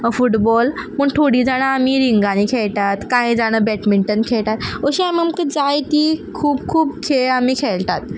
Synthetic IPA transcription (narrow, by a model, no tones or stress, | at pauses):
əfuʈbɔlpəɳʈʰoɽiːd͡zaɽ̃əamiːɾiŋɡãniːkʰeɭt̪at̪kaĩd͡zaɽ̃əbɛʈmiɳʈənkʰeɭt̪at̪əɕiamiamkəd͡zajt̪iːkʰuːbkʰuːbkʰeamiːkʰeɭt̪at̪